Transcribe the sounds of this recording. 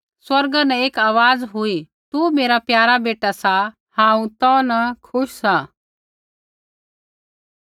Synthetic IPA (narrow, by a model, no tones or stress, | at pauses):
swɐɾɡənəeːkaːʋaːd͡zɦoːiː | t̪uːmeːɾapjaːɾabeːʈasa | hãːũt̪ɔnɐkʰʊʃsa